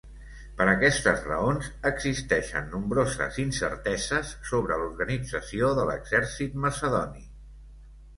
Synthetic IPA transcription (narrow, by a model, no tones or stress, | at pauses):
pəɾəkɛst̪əzrəonzəɡzist̪ɛʃə̰nːumbɾozə̰zinsə̰ɾt̪ɛzəsːoβɾəluɾɣənid͡zəsioðələ̰ɡz̥ɛɾsit̪̚məsəðɔni